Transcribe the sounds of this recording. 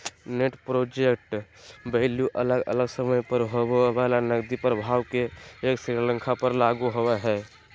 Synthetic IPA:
neʈpɾod͡ʒek̚ʈbəɪljuʔələɡə̰ləɡsəməjpəɾɦoweʋalanəɡd̪ipɾəbʱaːwkeːksɾiɾlə̃ŋkʰapəɾlaɡuɦoweɦɛ

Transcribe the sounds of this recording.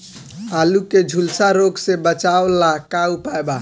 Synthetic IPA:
aluked͡ʒʱulsaɾoɡsebət͡ʃaolakaupaeba

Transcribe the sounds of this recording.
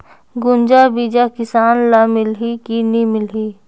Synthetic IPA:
ɡʊnd͡ʒabid͡ʒakɪsaːnlamɪlɦikinimɪlɦiː

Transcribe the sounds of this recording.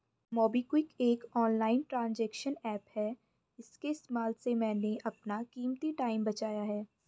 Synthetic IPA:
mɔːbikwɪkeːkɔːnlaːɪnʈɾãːnd͡ʒɛːkʃənɛːphɛː | ɪskeɪsmaːlsemɛ̃ːneʔɐpnakiːmt̪iʈaːɪmbɐt͡ʃaːjaɦɛː

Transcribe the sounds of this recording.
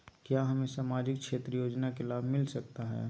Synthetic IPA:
kjaːɦɐmẽsaːmaːd͡ʒɪkkʃeːt̪ɾəjoːd͡ʒnakelaːbʱmɪlsɐk̚t̪aɦɛ̰ː

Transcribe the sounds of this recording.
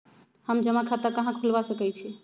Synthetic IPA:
həmd͡ʒəmakʰat̪akəɦãkʰulbasəkɛt͡ʃʰi

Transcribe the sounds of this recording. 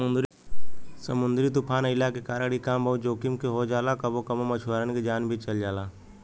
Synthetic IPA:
ɾ | səmʊ̃nd̪ɾiːt̪ʊpʰaːnɪlaːkekaːɾaːɽikaːmbəũd͡ʒoːkɪmkʰeɦoːd͡ʒaːlaːkəbokɐmomət͡ʃʰʋəːɾənkʰed͡ʒaːnbʱit͡ʃəld͡ʒaːlaː

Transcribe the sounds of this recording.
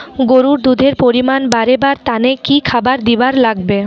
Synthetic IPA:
ɡoɾuɾd̪ud̪ʱeɾpoɾimanbaɾebaɾt̪anekikʰabaɾd̪ibaɾlaɡbe

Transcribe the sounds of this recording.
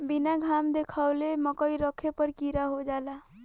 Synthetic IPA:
binaɡʱamd̪ekʰawleməkəiɾəkʰepəɾkiɾaɦod͡ʒala

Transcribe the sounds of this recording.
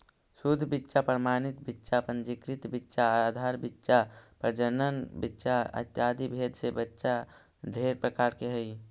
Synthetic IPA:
sud̪ʱːbitːʃapɾmaːnɪt̪bɪtːʃapə̃nd͡ʒikɾɪt̪bɪtːʃaad̪ʱaːɾbɪtːʃapɾəd͡ʒənənbɪtːʃaɐ̰t̪jaːd̪ibʱeːd̪ʱsebətːʃa | d̪ʱeːɾpɾəkaːɾkeɦəi

